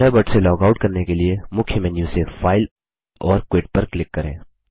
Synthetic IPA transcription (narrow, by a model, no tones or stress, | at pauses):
ɽabɐʈselɔːkaʊʈkɐɾnekeliemʊkʰjəmɛ̃njũsefaːɪl | ɔːɾkweːʈ̚pɐɾklɪkːɐɾḛ̃ː